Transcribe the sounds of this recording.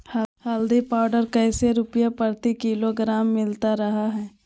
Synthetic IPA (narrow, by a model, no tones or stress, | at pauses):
hhaːld̪ipaːɖəɾkɐːseɾʊpjapəɾt̪ikiːloɡɾaːmːɪlt̪aɾɐɦaɦɛː